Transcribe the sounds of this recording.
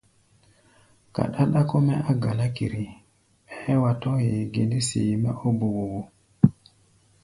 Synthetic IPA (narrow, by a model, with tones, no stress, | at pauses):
ka̰˨ɗa˦ɗa˦ko˦mɛ˦a˦ɡa˨la˦kḭ˨ɾi˨ | ɛ˦wa˨to˦je˨ɡe˨ndi˦sḭ˨ma˦ʔo˦bu˨wo˨wo˨